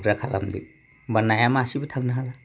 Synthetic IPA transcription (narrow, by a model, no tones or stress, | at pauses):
ɡɾakʰala̰mdḭ | banːajamasibɯtʰaŋnaɦala